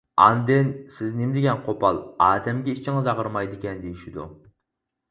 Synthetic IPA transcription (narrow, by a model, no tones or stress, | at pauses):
ɑ̰nd̪ɪnsɪznɪmd̪ɪɡʲɛnqʰopɑlˠɑːd̪ɛmɡʲɛit͡ʃʰiŋɨzɑʁəɾmɑjd̪ɨkʲɛnd̪ejiʃid̪ṵ